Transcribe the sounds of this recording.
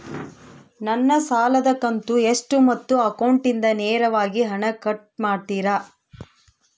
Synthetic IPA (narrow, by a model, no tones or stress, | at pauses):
nɐnːɐsaːlɐd̪ɐkɐnt̪ueʂʈumɐt̪ːuɐkɐwɳʈind̪ɐneːɾɐʋaːɡiɦɐɳɐkɐʈ̚maːɽʈ̪iɾa